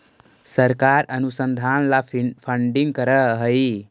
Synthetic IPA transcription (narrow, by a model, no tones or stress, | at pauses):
səɾkaɾənusənd̪ʱanlapʰəɳɖiŋɡkəɾəɦəj